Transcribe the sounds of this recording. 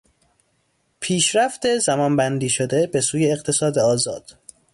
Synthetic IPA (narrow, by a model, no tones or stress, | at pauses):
pʰiːʃɾæft̪ezæmɒːnbænd̪iːʃod̪e̞be̞suːjeːɣt̪ʰe̞sɒːd̪eɒːzɒ̰ːd̪̥